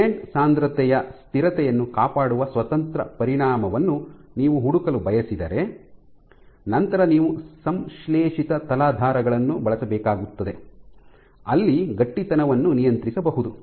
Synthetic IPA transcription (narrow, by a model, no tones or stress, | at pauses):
eːɳɖsaːnd̪ɾɐt̪ɛjɐst̪iɾɐt̪ɛjɐnːukaːpaːɽuʋɐsʋɐt̪ɐnt̪ɾɐ̰pɐɾiɽaːmɐʋɐnːuniːʋuɦuɽukɐlubɐjɐsid̪ɐɾe̞ | nɐnt̪ɐɾɐniːʋusɐmʃlɛːʂit̪ɐt̪ɐlaːd̪ʱaːɾɐɡɐɭɐnːubɐɭɐsɐbɛːkaːɡut̪ːɐd̪e̞ | ɐlːiɡɐʈːit̪ɐnɐʋɐnːunijɐnt̪ɾisɐbɐɦud̪u